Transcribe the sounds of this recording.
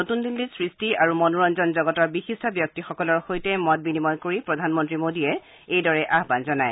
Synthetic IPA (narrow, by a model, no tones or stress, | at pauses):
notundilːisɹistiaɹumɔnuɹɔnzɔnzɔɡɔtɔɹbixistʰɔbjɔk̚tixɔkɔlɔɹxojtɛmɔt̚binimɔnkoɹipɹɔdʱanmɔntɹimodiɛ | ejdɔɹɛʔaɦbanzɔnaj